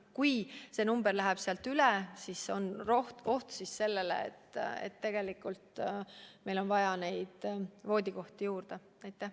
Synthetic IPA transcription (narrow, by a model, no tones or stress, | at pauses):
kujse̞numb̥erlæɦeb̥seɑlt̪ylesisonroht̪o̞ht̪sisse̞lːe̞lḛḛt̪ːḛt̪ːe̞ɡ̥e̞likːˑult̪ | me̞jlo̞nvɑjɑne̞jd̪̥vo̞ːd̪iko̞ht̪ijuːrd̪̥e | ɑjt̪ːˑæh